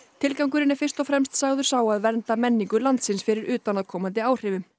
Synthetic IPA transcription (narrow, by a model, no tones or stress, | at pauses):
t̪ʰɪlkawŋk̬ʏɾɪnːɪfɪr̥st̪ɔfɾɛmst̪saɣðʏɾ̥saːwaðvɛnt̪amɛnːiŋkʏlant̪sɪnsfɪɾɪɾʏːt̪anaðkʰɔːmant̪̬ɪaːwr̥ɪːvʏm